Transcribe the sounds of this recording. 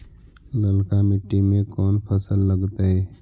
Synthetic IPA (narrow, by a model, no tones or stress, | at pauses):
ləlkamɪʈːimẽkɔːnpʰəsəlːəɡt̪aɦɛː